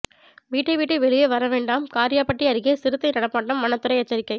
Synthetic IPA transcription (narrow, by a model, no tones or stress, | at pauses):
ʋiːʈːɐɪʋiːʈːɐɪʋɛɭɪjɐʋɐɾɐʋeːɳɖaːmkaːɾɪjaːpːɐʈːiɐɾɪɣeːsɪɾɯt̪ːɐɪnɐɽɐpːaːʈːɐmːɐnɐt̪ːɯɾɐɪɐt͡ʃːɐɾɪkːɐɪ